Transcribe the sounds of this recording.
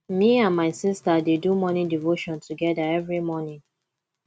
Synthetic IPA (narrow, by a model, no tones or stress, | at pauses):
miãnmaɪsistadedumɔnĩdivoʃɔ̃ntuɡɛdaɛvɹimɔnĩŋ